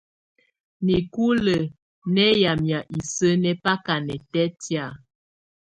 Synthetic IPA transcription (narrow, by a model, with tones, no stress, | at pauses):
ni˨ku˦lə˨ | nɛ˦ja˨mja˨ʔi˨sə˦nɛ˦pa˦ka˨nɛ˨tɛ˦tja˦˨